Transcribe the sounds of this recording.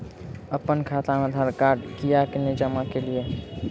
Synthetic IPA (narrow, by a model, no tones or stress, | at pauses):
əpənkʰat̪amed̪ʱaɾkaɾɖkijakenid͡ʒəmakelie